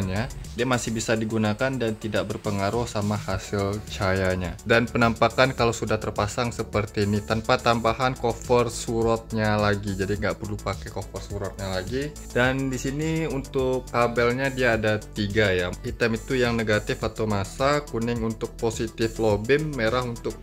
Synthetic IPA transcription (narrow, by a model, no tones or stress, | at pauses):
ɲadiamasɪhbisadiɡunakandant̪idak̚bərpəŋaɾʊhsamahasɪlt͡ʃajaɲadanpənampakankalosudaht̪ərpasaŋsəpərt̪iːnit̪ənpat̪ambaɦankofɔrsuɾɔt̪̚ɲalaɡid͡ʒadiŋɡaʔpərlupakɛjkofɔrsuɾɔt̪̚ɲalaɡi | dandisiniunt̪ʊkːabɛlɲadiaːdat̪iɡajait̪əmit̪ujaŋneɡat̪ɪfat̪awmasakunɪŋunt̪ʊk̚posit̪ɪflobɪnːeɾaɦunt̪ʊk̚